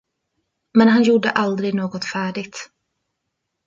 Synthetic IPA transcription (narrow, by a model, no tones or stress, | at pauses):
mɛnɦanjuːɖə̰ʔald̪ɾɪɡnoːɡɔt̪fæːɖɪɡt̪